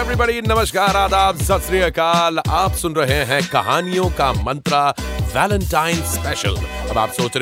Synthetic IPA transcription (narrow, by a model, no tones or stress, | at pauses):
eʋɾibəɽinɐməʃkaːɾaːd̪aːpsɐsɾijəkaːlaːpsʊnɾɐɦeɦɛ̃kɐɦaːnijõkamɐ̃nt̪ɾaʋɛːlə̃ɳʈãːɪnspɛʃə̰lɐba̰ːpsoːt͡ʃɾ